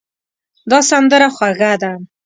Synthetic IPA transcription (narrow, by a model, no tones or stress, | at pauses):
d̪ɑsand̪əɾaxwaɣad̪a